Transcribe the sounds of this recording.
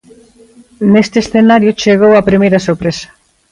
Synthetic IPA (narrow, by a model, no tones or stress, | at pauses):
nest̪eːsθenaɾjut͡ʃeɣ̞owapɾimejɾɐsoɾpɾesḁ